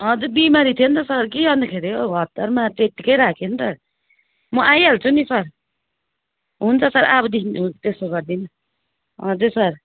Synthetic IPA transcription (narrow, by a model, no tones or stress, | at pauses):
ɦʌd͡zubimaɾit̪ʰijʌnt̪ʌsʌɾkiʌnd̪akʰeɾeoɡʱʌt̪ːʌɾmat̪eʈːikʌjɾakʰent̪ʌ | mʌʔajalt͡sʰunisʌɾ | ɦunt͡sʰʌsʌɾabʌd̪int̪esoɡʌɾd̪in | ɦʌd͡zesʌɾ